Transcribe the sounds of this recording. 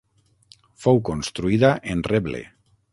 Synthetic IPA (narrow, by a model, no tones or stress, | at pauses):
fowkonst̪ɾuiðaʔenreβlḛ